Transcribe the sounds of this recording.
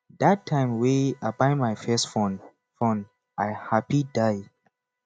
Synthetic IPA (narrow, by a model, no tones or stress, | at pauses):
datʰːãɪ̃mweabãɪmajfɛstfɔ̃n | fɔ̃n | ʔaɪhapidaj